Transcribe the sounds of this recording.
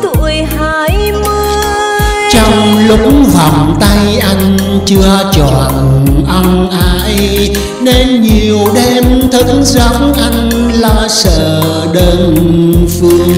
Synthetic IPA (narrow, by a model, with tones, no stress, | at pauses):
t̪ṵ˧˨əjhaː˧˦j | mɨ˧ | t͡ɕɔ˧wŋ͡mlʊ˦˥k͡p̚ŋ͡mvɔ˨˩wŋ͡mt̪a˧jʔa˧jŋ̟ | t͡ɕɨ˧ət͡ɕɔ˨˩˨nʔa˧ŋ͡mʔaː˨˦j | ne˧nɲi˨˩əwɗɛ˧mt̪ʰɨ˨˦˥kza˨˦ŋ͡mʔa˧jŋ̟ | laː˨˩sə̰ː˧˨ | ɗəː˧nfɨ˧əŋ